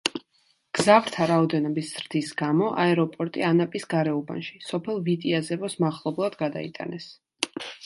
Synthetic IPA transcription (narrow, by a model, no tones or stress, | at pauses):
ɡ̥zavɾt̪ʰaɾaɔd̪ɛnɔbisz̥ɾd̪̥isɡamɔʔaɛɾɔpʼɔɾt̪ʼianapʼisɡaɾɛɔba̰nʃi̥sɔpʰɛlˠvit̪ʼiazɛvɔsmaʁlˠɔblˠad̪ɡad̪a̰ḭt̪ʼa̰nɛs